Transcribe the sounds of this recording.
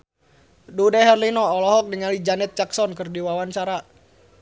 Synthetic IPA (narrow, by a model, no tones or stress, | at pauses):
dudɛɦɛrlinɔːlɔɦɔk̚dəŋalid͡ʒanɛt̪̚d͡ʒaksɔnkɨrdiwawant͡ʃaɾa